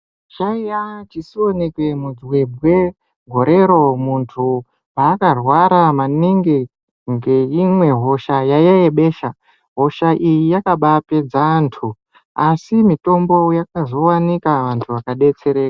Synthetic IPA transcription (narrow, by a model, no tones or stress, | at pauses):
t͡ʃaijat͡ʃisio̞ne̞kwe̞mud͡zwe̞bʱwe̞ | ɡʱo̞ɾe̞ɾo̞muntʰu | paːkarwaɾamaniŋɡe | ŋɡe̞imwe̞ɦo̞ʃajajaeɓe̞ːʃa | ɦo̞ʃaʔijijakaɓape̞d͡zantʰu | asimito̞mbo̞jak̚azo̞wanikaʋantʰuʋakaɗe̞t͡se̞ɾe̞ːka